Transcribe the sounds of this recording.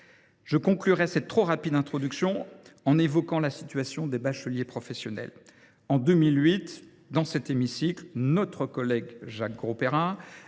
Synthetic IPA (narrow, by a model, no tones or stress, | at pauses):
ʒ̥əkɔ̃klyʁɛsɛt̪ːχoʁapid̪ɛ̃t̪χɔd̪yksjɔ̃ɑ̃nevɔkɑ̃lasi̥t̪ɥasjɔ̃d̪ebaʃəljepχɔfɛsjɔnɛ̰l | ɑ̃d̪ømilɥit̪ | d̪ɑ̃sɛt̪emisiklnɔt̪χəkɔlɛɡʒak̚ɡʁopɛʁɛ̃